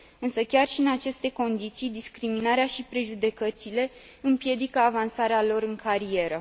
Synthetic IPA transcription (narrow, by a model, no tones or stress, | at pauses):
ɨnsəkʲarʃiɨnat͡ʃe̞st̪e̞ko̞nd̪it̪sijd̪iskɾiminaɾeaʃipɾeʒud̪e̞kət̪sile̞ | ɨmpje̞d̪ikəavansaɾealo̞ɾɨŋkʰaɾie̞ɾə